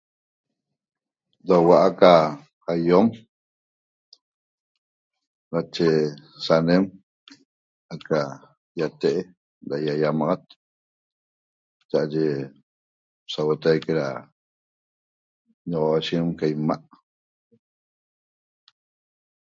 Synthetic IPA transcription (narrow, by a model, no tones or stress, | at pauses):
dawaʔaka | ajom | nat͡ʃesanem | aka | jat̪eʔe | dajajamaʁat̪̚ | t͡ʃaʔaʒe | sawot̪ajkeɾa | ɲɔʁoaʃimkajmaʔ